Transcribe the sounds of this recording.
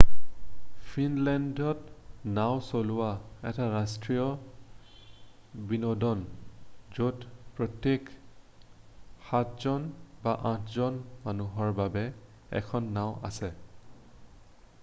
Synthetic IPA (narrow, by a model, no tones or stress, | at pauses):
pʰinlɛndɔtnaw̃solʊaɛ̰taɹastɹijɔ | binɔdɔn | zodpɹɔtjek | xatʰzɔnbaʔãtʰzɔnmanuɦɔɹbabɛ | ɛ̰kʰɔnːawʔa̰sɛ